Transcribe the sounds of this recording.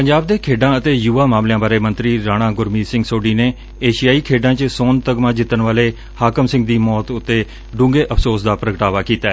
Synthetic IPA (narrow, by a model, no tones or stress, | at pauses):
pəɲd͡ʒaːb̚d̪eːkʰeːɖãːət̪eːjuːʋaːmãːmlejãːbaːɾeːmənt̪ɾiːɾaːɽ̃ãːɡʊɾmiːsɪ̃ŋɡsoːɖiːneː | eːʃijaːiːkʰeːɖãːt͡ʃsoːnt̪əɡmãːd͡ʒɪt̪ːənʋaːleː | haːkəmsɪ̃ŋɡ̚d̪iːmɔːt̪ʊt̪ːeː | ɖʊ̃ːŋɡeːʔəpsoːsd̪aːpɾəɡʈaːʋaːkiːt̪aːɛː